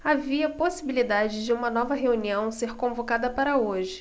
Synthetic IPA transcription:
aviɐposibilid̪ad͡ʒɪd͡ʒɪũmɐnɔvɐɦeuniɐ̃w̃seɾkõvokad̪ɐpaɾɐoʒɪ

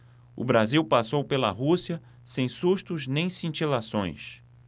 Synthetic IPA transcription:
ʊ̰bɾaziwpasowpelɐ̰ɦusiɐ | sẽj̃suʃt̪ʊznẽj̃sĩnt͡ʃilasõ̰j̃s

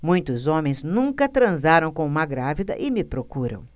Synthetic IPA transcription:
mũj̃t̪ʊzõmẽj̃znũŋkɐt̪ɾɐ̃zaɾɐ̃w̃kõũmɐɡɾavid̪ɐ̰ʔɪmɪpɾokuɾɐ̰̃w̃

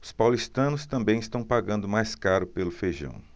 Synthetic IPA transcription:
ʊ̥spawlist̪ɐ̃nʊst̪ɐ̃mbẽj̃ɪst̪ɐ̃w̃paɡɐ̃nd̪ʊmajskaɾʊpelʊfejʒɐ̰̃w̃

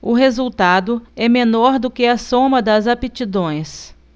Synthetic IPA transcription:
ʊɦezuwt̪ad̪ʊɛmenɔɾd̪ʊkɪɐsõmɐd̪ɐzapet͡ʃid̪õj̃s

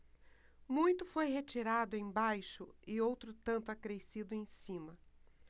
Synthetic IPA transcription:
mũj̃t̪ʊfojɦet͡ʃiɾad̪ʊẽj̃bajʃʊɪowt̪ɾʊt̪ɐ̃nt̪ʊakɾesid̪ʊẽj̃sĩmɐ

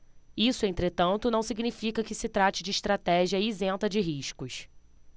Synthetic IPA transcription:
isʊẽnt̪ɾet̪ɐ̃nt̪ʊnɐ̃w̃siɡnifikɐkɪsɪt̪ɾat͡ʃɪd͡ʒɪːʃt̪ɾat̪ɛʒiɐizẽnt̪ɐd͡ʒɪɦiʃkʊʃ

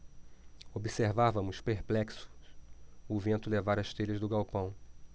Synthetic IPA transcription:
obiseɾvavɐ̃mʊspeɾplɛksʊ̥sʊvẽnt̪ʊlevaɾɐʃt̪eʎɐzd̪ʊɡawpɐ̃w̃

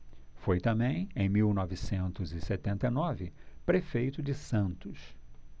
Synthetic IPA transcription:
fojt̪ɐ̃mbẽj̃ẽj̃miwnɔvɪsẽnt̪ʊzɪset̪ẽnt̪ɐjnɔvɪpɾefejt̪ʊd͡ʒɪsɐ̃nt̪ʊs

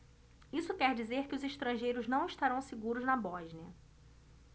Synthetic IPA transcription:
isʊkɛɾd͡ʒizeɾkɪʊzeʃt̪ɾɐ̃ʒejɾʊznɐ̃w̃ɪʃt̪aɾɐ̃w̃sɪɡuɾʊznɐbɔʒniɐ

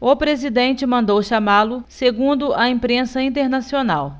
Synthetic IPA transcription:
ʊpɾezid̪ẽnt͡ʃɪmɐ̃nd̪owʃamalʊseɡũnd̪ʊʔɐĩpɾẽsɐĩnt̪eɾnasionaw

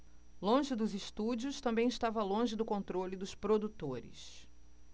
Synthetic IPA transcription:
lõʒɪd̪ʊzɪʃt̪ud͡ʒiʊst̪ɐ̃mbẽj̃ɪʃt̪avɐlõʒɪd̪ʊkõnt̪ɾolɪd̪ʊspɾod̪ut̪oɾɪ̰s

